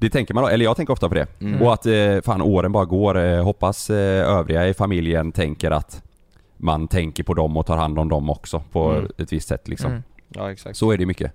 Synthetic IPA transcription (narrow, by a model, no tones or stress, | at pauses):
d̪ɛt̪ʰɛŋkəɾmand̪ɔɛlːɾjɑːɡt̪ʰɛŋkəɾɔft̪apʰɔd̪ɛ̰ɔat̪faːnʔoːɾənbɑːɾaɡoːɾɦɔpːasøːvɾɪɡaɪfamɪljənt̪ʰɛŋkəɾʔa̰t̪ | mant̪ʰɛŋkəɾpʰɔd̪ɔmːɔt̪ʰɑːɾhand̪ɔmd̪ɔmːɔksɔpʰɔɛt̪vɪst̪sɛ̰t̪ːlɪksɔ̰m | sɔæɖɛjmʏkːə̰